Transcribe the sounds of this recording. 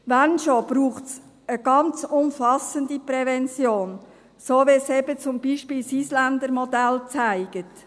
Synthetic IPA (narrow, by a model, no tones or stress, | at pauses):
ʋænʃob̥ɾuːχtt͡s | əɡ̥ɑnt͡sʊmfɑsəndiprɛvɛnt͡sjoːn | soːʋesɛbət͡sʊmb̥iːʃpiːlsiːslænd̪əɾmɔdɛlt͡sæɪɡ̥ət